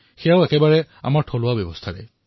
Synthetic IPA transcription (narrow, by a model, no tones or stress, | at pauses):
xɛjaʊɛkɛbaɹɛ | a̰maɹʈʰɔlʊabjɛbɔst̪ʰaɹɛ̰